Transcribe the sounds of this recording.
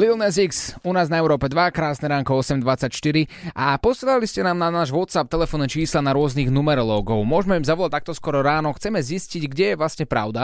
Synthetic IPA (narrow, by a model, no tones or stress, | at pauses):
lilnɛziksunaːznaɛʊɾɔːpɛd̪ʋakɾaːsnɛɾaːŋkɔɔsɛmd̪ʋat͡sacʃt̪iɾiapɔsɛlaliscɛnaːmnanaːʒʋɔt̪sap̚t̪ɛlɛfɔnɛt͡ʃiːslanaɾʊɔzniɣnumɛɾɔlɔːɡɔʊmʊɔʒmɛimzaʋɔlac̚t̪ak̚t̪ɔskɔɾɔɾaːnɔxt͡sɛmɛzisciɟɡɟɛjɛʋlasɲɛpɾa̰ʊd̪a